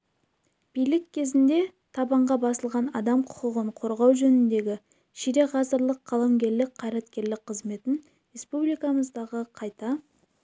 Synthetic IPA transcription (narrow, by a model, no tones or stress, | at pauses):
b̥ijlɪkʲʰːe̞zɪnd̪e̞ | t̪ʰɑbɑɴʁɑbɑsəlˠʁɑnɑd̪ɑmqʰʊ̥qəʁəɴqʰo̞ɾʁɑwʒɵnɪnd̪e̞ɡʲɪ | ʃiɾe̞ʁɑzəɾlˠəqʰːɑlˠɑmɡʲe̞ɾlɪk̚qʰːɑjɾɑt̪kʲe̞ɾlɪk̚qʰəzme̞t̪ɪn | ɾe̞spublijkɑməzd̪ɑʁəqʰɑjt̪ɑ